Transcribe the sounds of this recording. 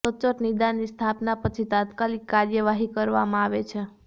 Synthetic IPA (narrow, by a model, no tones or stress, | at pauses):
ət͡ʃəʈnid̪anːist̪ʰapnapət͡ʃʰit̪at̪kalikːaɾjəʋaɦikəɾʋa̰mãaʋet͡ʃʰe